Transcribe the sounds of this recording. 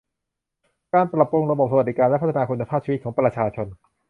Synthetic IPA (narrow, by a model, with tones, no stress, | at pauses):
kaː˧npɾa˨˩p̚ːɾu˧ŋɾa˧bɔ˨˩p̚sa˧wt̪̚di˦˩kaː˧lɛ˦˥pʰt̪ʰa˧naː˧kʰu˧nːa˧pʰaː˥˩t͡ɕʰiː˧˦˥t̪̚kʰːpɾa˧t͡ɕʰaː˧t͡ɕʰo˧n